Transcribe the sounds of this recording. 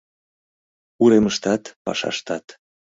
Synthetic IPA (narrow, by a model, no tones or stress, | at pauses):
uɾeməʃt̪ɑt̪pɑ̰ʃɑ̰ʃt̪ɑt̪